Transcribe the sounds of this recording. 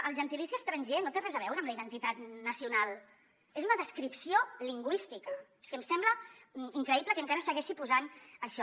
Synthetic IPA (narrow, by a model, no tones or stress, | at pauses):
əlˠʒənt̪ilisiəst̪ɾənʲʒenot̪erɛzəβɛwɾəːmləiðənt̪it̪at̪nəsiunalˠ | ezunəðəskɾipsioliŋɡwist̪ikəe̥skəmsɛmbləmiŋkɾəipləkəŋkaɾəsəɣɛʃipuzanəʃɔ